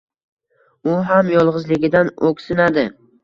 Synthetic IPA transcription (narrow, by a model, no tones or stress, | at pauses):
ʊɦamjɒlˠʁɨzlɪɡʲɪd̪anokʲsɪnad̪ɪ